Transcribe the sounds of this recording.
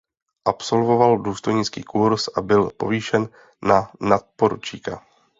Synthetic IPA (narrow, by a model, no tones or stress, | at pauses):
ʔapso̞lvo̞valduːst̪o̞jɲɪt͡skiːkuɾsʔabɪlpo̞̰viːʃɛnː | anat̪̚poɾṵt͡ʃika